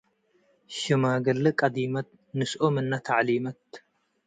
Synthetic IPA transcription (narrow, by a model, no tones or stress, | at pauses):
ʃɨmaːɡɐlːɨkʼɐd̪imɐt̪̚ | nɨsʔomɨnːat̪ʰaʕlimɐt̪̚